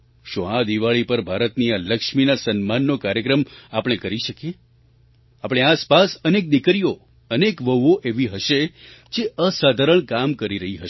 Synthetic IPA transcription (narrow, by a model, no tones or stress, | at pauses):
ʃũad̪iʋaɭipəɾbʱaɾət̪nialəkʃminasənmanːokaɾjəkɾəmapɽ̃ekəɾiʃəkie | apɽ̃easpasənek̚d̪ɪkɾijo | ənekʋəʋoʔeʋiɦəʃed͡ʒeəsad̪ʱaɾəɳkamkəɾiɾəɦiɦəʃe